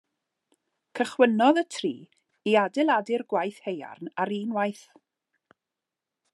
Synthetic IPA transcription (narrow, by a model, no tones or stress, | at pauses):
kʰəχwənɔðətʰrḭː | iadɪlˠadɪrɡwajθheja̰rnaɾiːnwajθ